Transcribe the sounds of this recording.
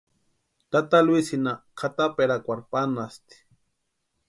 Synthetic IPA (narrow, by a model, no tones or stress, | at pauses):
t̪at̪alwisinakʰat̪apeɾakʷaɾpanast̪i̥